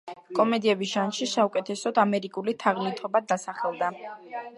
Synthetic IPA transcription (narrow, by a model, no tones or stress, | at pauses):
kʼɔmɛd̪iɛbisʒanʃisaukʼɛt̪ʰɛsɔd̪amɛɾikʼulit̪ʰaʁlit̪ʰɔbad̪asaχɛlˠd̪a